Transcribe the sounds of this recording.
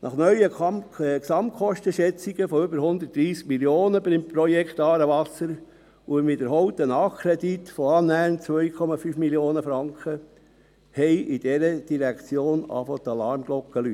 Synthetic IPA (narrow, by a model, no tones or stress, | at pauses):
nʔɑχnœʏəksɑmt̪̚kʰχɔʃtəʃɛt͡siɡ̥əfoʏbəɾhʊnd̪ət̚d̥ɾiːsk̚miljoːnəbəɾɪmpɾɔjɛkt̪ɑːɾəʋɑsəɾ | umɪd̪əɾɦɔwt̪ənɑːkʰːɾɛd̪it̪fɔɑnæːnt͡sʋœjkʰɔmɑfyːfmiljoːnəfɾɑŋkχə | hɛɪʔid̥ɛɾəd̥iɾækt͡sjoːnɑ̰fot̪ɑlɑɾmɡ̥lɔkːəlyt